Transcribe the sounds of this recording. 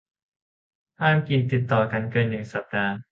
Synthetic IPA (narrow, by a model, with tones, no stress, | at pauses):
haː˥˩mki˧nt̪i˨˩t̪ːɔː˨˩ka˧nkɤː˧nːɯ˨˩ŋsa˨˩p̚daː˧